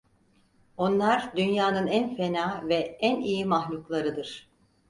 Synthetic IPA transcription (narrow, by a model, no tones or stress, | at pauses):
o̞nlˠaɾd̪ynjaːnɯnænfe̞naːvɛænijimahlʲuklˠaɾɯd̪ɯɾ̥